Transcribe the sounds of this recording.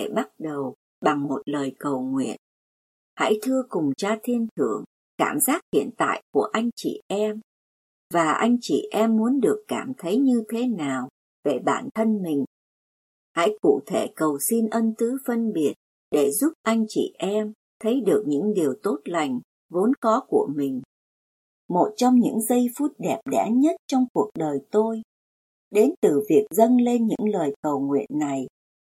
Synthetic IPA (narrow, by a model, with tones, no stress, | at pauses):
e˧˩ɓa˦˥t̚ɗə˨˩w | ɓa˨˩ŋmo˨˩t̚ləː˨˩jkə˨˩wŋwḭ˧˨ən | ha̰˧˥jt̪ʰɨ˧əkʊ˨˩ŋ͡mt͡ɕaː˧t̪ʰi˧ənt̪ʰɨ˧˩əŋ | kaː˧˩mzaː˦˥t̚hḭ˧˨ənt̪a̰ː˧˨jku˧˩əʔa˧jŋ̟t͡ɕḭ˧˨ʔɛ˧m | vaː˨˩ʔa˧jŋ̟t͡ɕḭ˧˨ʔɛ˧mːu˨˦ənɗɨ˨˩əkːaː˧˩mt̪ʰə˨˦jɲɨ˧t̪ʰe˨˦naː˨˩w | ve˨˩ɓa̰ː˧˩nt̪ʰə˧nmï˨˩ŋ̟ | ha̰˧˥jkṵ˧˨t̪ʰe˧˩kə˨˩wsi˧nʔə˧nt̪ɨ˨˦fə˧nɓi˨˩ət̚ | ɗe˧˩zu˦˥p̚ʔa˧jŋ̟t͡ɕḭ˧˨ʔɛ˧m | t̪ʰə˨˦jɗɨ˨˩ək̚ɲɨ̰˧˥ŋɗi˨˩əwt̪o˦˥t̚la˨˩jŋ̟ | vo˨˦nkɔ˨˦ku˧˩əmï˨˩ŋ̟ | mo˨˩t̚t͡ɕɔ˧wŋ͡mɲɨ̰˧˥ŋzə˧jfu˦˥t̚ɗɛ˨˩p̚ɗɛ̰˧˥ɲə˦˥t̚t͡ɕɔ˧wŋ͡mku˨˩ək̚ɗəː˨˩jt̪o˧j | ɗe˨˦nt̪ɨ˨˩vi˨˩ək̚zə˧nle˧nɲɨ̰˧˥ŋləː˨˩jkə˨˩wŋwḭ˧˨ənːa˨˩j